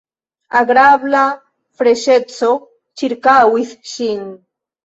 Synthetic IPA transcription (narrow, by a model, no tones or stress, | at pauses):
aɡɾaβla | fɾeʃet͡so | t͡ʃiɾkawiθʃin